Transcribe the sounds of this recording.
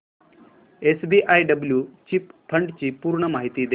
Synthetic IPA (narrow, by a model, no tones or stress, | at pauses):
esbiʔajɖəbljuːt͡ɕipfʰəɳɖt͡ɕiːpuɾɳəmaɦit̪iːd̪e